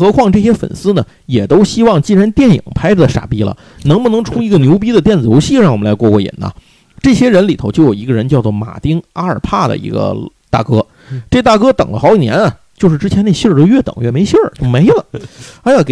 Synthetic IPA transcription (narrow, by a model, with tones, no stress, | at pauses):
xɤ˧˥kʰwɑ˥˧ŋʈ͡ʂɤ˥˩ɕ̬jɛ˥fə̰˨˩nsɹ̩˥nə˨ | jɛ˨˩t̪o˥ʊɕi˥wɑ˥˩ŋt͡ɕi˥˩ɻa˧˥nt̪jɛ˥˩njḭ˨˩ŋpʰa˥ɪɾə˥˩ə˨ʂa̰˨˩pi˥lə̰˨ | nɤ˧˥ŋbu˧nɤ˧˥ŋʈ͡ʂʰu˥i˧˥ɡə˧njo˧˥ʊp̬i˥d̪ə˨t̪jɛ˥˩nt͡sɹ̩˨˩jo˧˥ʊɕi˥˩ɻɑ˥˩ŋwɔ˨˩m˦nla˧˥kwɔ˥˧kwɔ˥˩jḭ˨˩nɐ̰˧ | ʈ͡ʂɤ˥˩ɕjɛ˥ɻə˧˥nli˨˩t̪ʰo˧ʊt͡ɕjʊjo˨˩i˧˥ɡə˧ɻə˧˥nt͡ɕjʊt͡swɔ˥˩ma̰˨˩t̪i˥ŋa˥ə˞˨˩pʰa˥˩d̪ə̰˩ḭ˧˥ɡə̰˧t̪a̰˥˩kɤ˥ | ʈ͡ʂɤ˥˩˥t̪a˥˩kɤ˥t̪ɤ̰˨˩ŋlə̰˦xɑ˧˥ʊi˨˩njɛ̰˧˥nɐ˨ | t͡ɕjo˥˧ʊʂɻ̩˥˩ʈ͡ʂɻ̩˥t͡ɕʰjɛ˧˥ne˥˧˩ɕjə˥˧˩t̪o˥ʊɥɛ˥˩t̪ɤ̰˨˩ŋɥɛ˥˩me˧˥ɪɕjə˥˩t̪o˥ʊme˧˥ɪlə˨a˧˥ja˥˩ke˨˩